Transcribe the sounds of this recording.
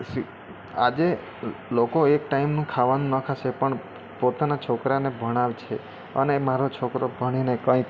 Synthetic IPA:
si | a̰d͡ʒe | lokoek̚ʈaimnũkʰaʋanũnəkʰaʃepəɳ | pot̪anat͡ʃʰokɾanebʱəɽ̃aʋt͡ʃʰe | ə̰nemaɾot͡ʃʰokɾobʱəɽ̃inekə̃ĩ

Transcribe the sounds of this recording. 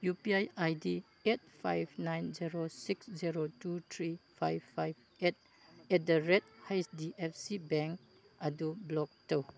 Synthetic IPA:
jupiajajdi | et̚pʰa̰jbnajnziɾosiksziɾotutʰɾipʰajfajb | et̚ | ɛt̚dəɾɛt̚hajsdiʔɛfsibɛŋk | adublɔk̚tow

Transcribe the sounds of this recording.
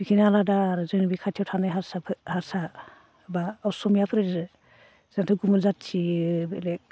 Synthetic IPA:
bikʰinaladaɾzɯnbikʰatʰjawtʰanajɦaɾsapʰhaɾsa | baːwsɔmijapʰɾe | z̥antʰɯɡumɯzatt͡ʃʰibele

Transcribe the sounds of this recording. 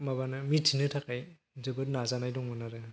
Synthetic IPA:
mabanɯmitʰinɯtʰakaj | zɯbɯt̚nazanajdɔŋmɯnaɾɯ

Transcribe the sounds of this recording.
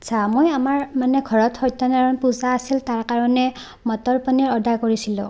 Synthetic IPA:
atsʰamojamaɹmanɛɡʱɔɹɔtxɔjtːɔnaɹɔnpuzaːsiltaɹkaɹɔnɛ | mɔtɔɹpɔniɹɔdʱakoɹisilʊ̰̃

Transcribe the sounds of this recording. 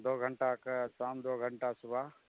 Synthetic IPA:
d̪oːɡʱəɳʈaksaːmd̪oːɡʱə̃ɳʈasʊbʱaː

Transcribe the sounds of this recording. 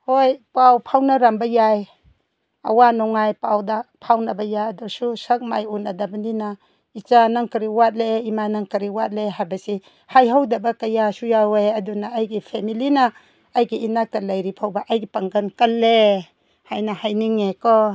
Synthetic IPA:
hojpawpʰawnaɾambajaj | a̰wanɔŋajpawdapʰawnabajajadususɐk̚majunadabanina | it͡ʃanaŋkɐɾiwat̚leimanaŋkɐɾiwat̚leɦabasi | hajɦawdabakajasujawejɐdunaːjɡipʰemilinaː | jɡiinak̚talajɾipʰawbaʔajɡipaŋɡənkalːe | hajnahajniŋekɔ

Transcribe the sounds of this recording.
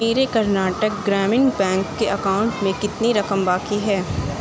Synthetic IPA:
meːɾekɐɾnaːʈək̚ɡɾɛːmɪnbɛ̃ːŋkːeʔɐkaːʊ̃ɳʈmẽkɪt̪niɾɐkəmbaːkiɦɛː

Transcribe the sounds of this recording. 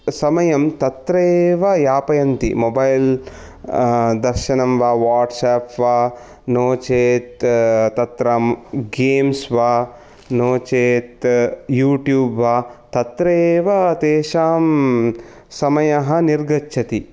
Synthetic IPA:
sɐmɐjɐmt̪ɐt̪ɾeːʋɐjaːpɐjɐnt̪ḭmobɐjl | d̪ɐɾʃɐnɐmʋaːʋaːɾʈsaːpʋaː | noːt͡ʃeːt̪t̪ɐt̪ɾɐmɡeːmsʋaː | noːt͡ʃeːt̪juːʈjuːbʋaːt̪ɐt̪ɾeːʋɐt̪eːʃaːm | sɐmɐjɐɦɐniɾɡɐtːt͡ʃʰɐt̪i

